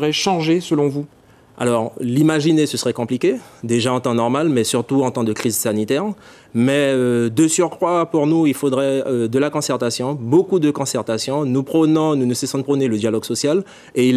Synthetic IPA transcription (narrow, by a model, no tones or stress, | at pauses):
ʁɛʃɑ̃ʒesəlɔ̃vu | a̰lɔʁlimaʒinesəsəʁɛkɔ̃plikʲed̪eʒaɑ̃t̪ɑ̃nɔʁmalmɛsyʁt̪uɑ̃t̪ɑ̃d̪əkχizsanit̪ɛʁ | mɛød̪əsyʁkχwapuʁnuilfod̪ʁɛød̪əlakɔ̃sɛʁt̪asjɔ̃bokud̪əkɔ̃sɛʁt̪asjɔ̃nupχənɔ̃nunusɛsɔ̃d̪əpχɔneləd̪jalɔɡsɔsjal | e